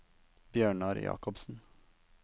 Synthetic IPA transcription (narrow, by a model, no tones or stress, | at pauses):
b̥jøːɳɑɾjɑ̰ːkɔbsn̩